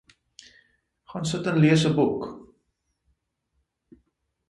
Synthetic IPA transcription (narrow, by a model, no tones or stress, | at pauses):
χɑːnsətənliəsəbuk